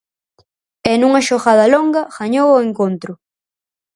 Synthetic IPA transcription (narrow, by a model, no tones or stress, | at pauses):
enuŋɐʃoɣaðɐloŋɡɐɣaɲowʊeŋkont̪ɾʊ